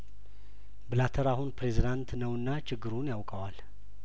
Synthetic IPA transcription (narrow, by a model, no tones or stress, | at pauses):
bɨlat̪ʰəɾahunpɾe̞zid̪ant̪nəwɨnːat͡ʃʰɪɡːɨɾunjawkʼəwal